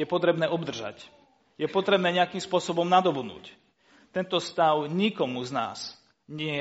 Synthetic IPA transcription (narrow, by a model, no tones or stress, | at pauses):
jɛpɔt̪ɾɛbnɛːʔɔbd̪r̩ʒa̰c | jɛpɔt̪ɾɛbnɛːɲɛakiːmspʊɔsɔbɔmnad̪ɔbud̪nṵːc | t̪ɛnt̪ɔst̪aʊɲikɔmuzna̰ːs | ɲɪɛ